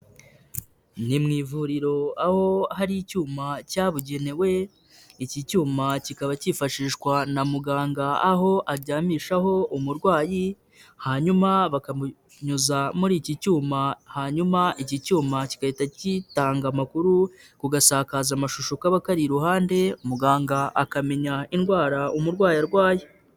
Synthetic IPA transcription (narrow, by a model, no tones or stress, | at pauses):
nimŋiːvuɾiɾo̞aho̞haɾiicuːmacaːβuɟe̞ne̞we̞ | icicuːmacikaβaciːfaʃiːʃkwanamuɡaːŋɡaaɦo̞ʔaɾɟaːmiːʃaɦo̞umuɾɡwaːji | haːɲumaβakamu | ɲuzamuɾiːcicuːmahaɲumaicicuːmaci̥kahitacitaːŋɡamakuɾu | kuɡasaːkaːzamaʃuʃokaβakaɾiɾuhaːnde̞umuɡaːŋɡaʔakame̞ɲainɡwaːɾaumuɾɡwaːjaɾɡwaːji